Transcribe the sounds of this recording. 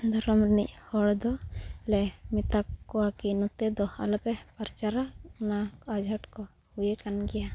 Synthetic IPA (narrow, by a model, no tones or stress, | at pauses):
d̪ʱaɾɔmɾnic̚hɔɽd̪ɔlɛmit̪akːɔwakinut̪ɛd̪ɔa̰lɔpɛpaɾt͡ʃaɾaunaad͡ʒʱaʈkɔ | hujekanɡɛja